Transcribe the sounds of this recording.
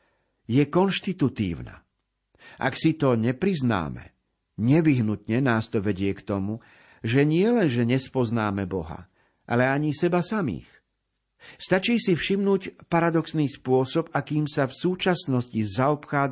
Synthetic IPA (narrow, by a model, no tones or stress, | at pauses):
jɛkɔnʃt̪it̪ut̪ḭːʊna̰ | ʔa̰ksit̪ɔɲɛpɾizna̰ːmɛ̰ | ɲɛʋiɦnut̪ɲɛnaːst̪ɔʋɛɟɪɛkt̪ɔmu | ʒɛɲɪɛlɛnʒɛɲɛspɔznaːmɛbɔɦa̰ | ʔa̰lɛaɲisɛbasamḭːx | st̪at͡ʃiːsifʃimnuːcpaɾad̪ɔksniːspʊɔsɔbakiːmsafsuːt͡ʃasnɔscizaɔpxaːd͡z